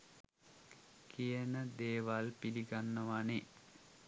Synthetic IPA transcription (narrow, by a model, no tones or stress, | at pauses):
kijənəd̪eːʋalpiɾiɡanːəʋane